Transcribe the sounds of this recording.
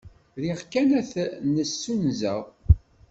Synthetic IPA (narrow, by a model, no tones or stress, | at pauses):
ðiʁkænæθnəsːunzæ̰ʁ